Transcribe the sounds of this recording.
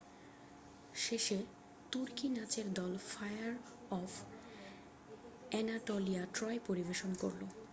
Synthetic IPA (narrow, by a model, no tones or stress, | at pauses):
ʃeʃe | t̪uɾkinat͡ɕeɾd̪ɔlfajaɾ | ɔf | ɛnaʈoliaʈɾɔjepoɾibeʃonko̰ɾlo